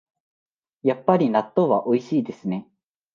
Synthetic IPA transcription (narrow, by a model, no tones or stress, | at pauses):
japːaɾʲinat̪ːo̞ːβaʔo̞iɕiːd̪e̞sɨne̞